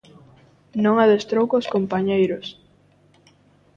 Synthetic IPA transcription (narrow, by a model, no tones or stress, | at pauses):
nõŋaðest̪ɾowkoskompaɲejɾʊs